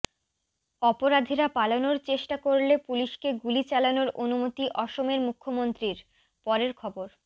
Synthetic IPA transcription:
ɔpoɾad̪ʱiɾapalonoɾt͡ɕeʃʈakoɾlepuliʃkeɡulit͡ɕalanoɾonumot̪iʔɔʃomeɾmukʰːomont̪ɾiɾ | pɔɾeɾkʰɔboɾ

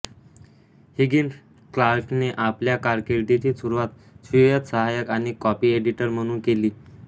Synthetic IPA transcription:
hiɡin | klaɾɕneʔapljakaɾkeɾʈit͡ɕiːsuɾuʋat̪ | ɕijət̪səɦajəkañikɔpiːeɖiʈəɾm̤əɽ̃uːnkeliː

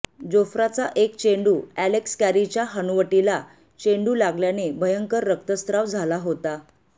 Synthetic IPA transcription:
d͡zofɾat͡saʔekt͡ɕeɳɖuːælekskæɾit͡ɕjaɦənuʋəʈila | t͡ɕeɳɖuːlaɡljanebəjəŋkəɾːək̚t̪əst̪ɾaʋd͡zʱalaɦot̪a

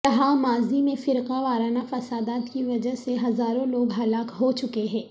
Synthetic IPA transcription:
kɐɦamaːzimẽfɪɾqaʋaːɾaːnafɐsaːd̪aːt̪kiʋɐd͡ʒəɦseɦɐzaːɾõloːɡɦɐlaːkɦot͡ʃʊkeɦɛ̃ː

